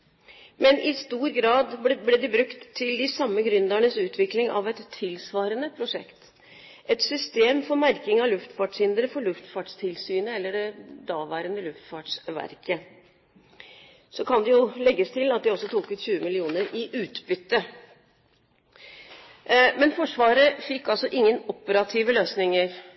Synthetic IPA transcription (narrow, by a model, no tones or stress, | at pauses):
mɛnʔɪst̪uːɾɡɾɑːd̪blɛd̪ɪbɾʉkt̪ʰːɪld̪ɪsɑmːəɡɾʉnd̪æɳəsʉːt̪ʰʋɪklɪŋʔɑ̰ʋɛt̪ʰːɪlsʋɑːɾənəpʰɾʊʂɛ̰kt̪ | ʔɛt̪sʏst̪eːmfɔɾmæɾkɪŋɑlʉft̪fɑːʈʂhɪnd̪ɾəfɔɭʉft̪fɑːʈst̪ʰɪlsyːnəɛlːəɖɛd̪ɑːʋæːɾənəlʉft̪fɑːʈʂʋæ̰ɾkʰə | sɔkʰɑnd̪ɛjʊlɛɡːəst̪ʰɪlɑt̪̚d̪ɛɔsːɔt̪ʰuːkʉt̪ɕʉːəmɪlɪuːnəɾɪʔʉːt̪bʏt̪ːə | mɛnfɔʂʋɑːɾəfɪkːɑlsɔʔɪŋːənɔpəɾɑt̪ʰiːʋəløːsnɪŋəɾ